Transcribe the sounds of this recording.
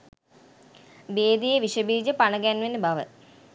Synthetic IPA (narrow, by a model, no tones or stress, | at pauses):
beːd̪ijeʋiʂəbiːd͡ʑɐpanɐɡænʋenːebɐʋə̰